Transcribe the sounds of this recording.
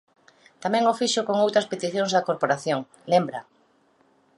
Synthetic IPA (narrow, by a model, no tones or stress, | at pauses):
t̪amɛ̃ŋofiʃʊkoŋowt̪ɾɐspet̪iθjoŋzðɐkoɾpoɾaθjoŋ | lembɾɐ